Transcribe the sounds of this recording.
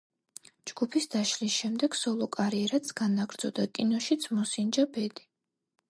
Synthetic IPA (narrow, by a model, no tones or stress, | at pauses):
d͡ʒɡ̥upʰisd̪aʃlisʃɛmd̪ɛɡ̥sɔlˠɔkʼaɾiɛɾat̪sɡ̥anaɡɾd̪z̥ɔd̪akʼinɔʃit̪sʰmɔsind͡ʒabɛd̪i